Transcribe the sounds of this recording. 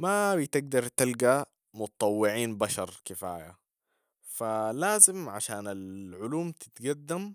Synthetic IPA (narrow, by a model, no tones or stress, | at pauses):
mabit̪ɪɡ̚d̪ɑɾˤt̪ɪlɡa | mʊt̪t̪ˤːɑwːɪʕiːnbaʃɑɾˤkɪfa̰ːja̰ | falaːzɪmʕaʃaːnalʕʊluːmt̪ɪ̥t̪ɡad̪ːam